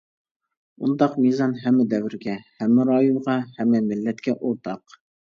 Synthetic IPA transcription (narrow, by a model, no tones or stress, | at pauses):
und̪ɑqmizɑnɦɛmːɪd̪ɛwɾɡʲɛhæmːɪɾɑjunʁɑhɛmːɛmɪlːɛt̪kʲɛʔoɾt̪ʰɑq